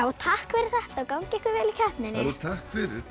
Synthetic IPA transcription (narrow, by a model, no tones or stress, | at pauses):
aut̪ʰahkfɛɾɪɾ̥θɛht̪aːwkawɲcɛhkvɪɾvɛːlɪcʰahp̪nɛnɪut̪ʰahkfɪɾ